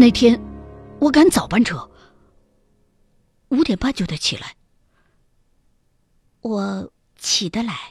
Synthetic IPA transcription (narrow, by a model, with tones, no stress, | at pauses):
na˥˩ɪt̪ʰjɛ˥nwɔ˨˧˥ka˧˥nt͡sɑ˨˩ʊpa˥˧nʈ͡ʂʰɤ˧˥˦ | u˧˥t̪jɛ˨˩npa˥˧nt͡ɕjo˥˩a˧˩ɪt͡ɕʰi˨˩la̰˧˥ɪ | wɔ˨˩˦ | t͡ɕʰi˨˩d̪ə˧la˧˥ɪ